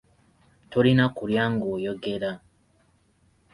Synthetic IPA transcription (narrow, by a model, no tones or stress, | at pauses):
tolinakuljaːŋɡojoɡeɾa